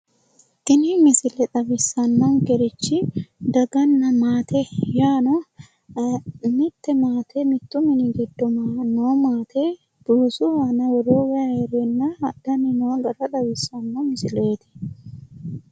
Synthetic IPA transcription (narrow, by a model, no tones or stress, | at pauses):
t̪ɪnɪmɪsɪlɛᶑ̪ɐbɪsːɐnːɔŋkɛɾɪt͡ʃːɪd̪ɐɡɐnːɐmaːt̪ʰɛjaːnɔ | mɪt̪ːɛmaːt̪ʰɛmɪt̪ːʊmɪnɪɡɪd̪ːɔmanoːmaːt̪e | d̪̥uːsʊhaːnɐwɔɾoːwɛɐheːɾɛnːɐɐd̪ːɐnːɪnɔwɐɡɐɾɐd̪ɐwɪsːɐnːɔmɪsɪleːt̪ɛ̥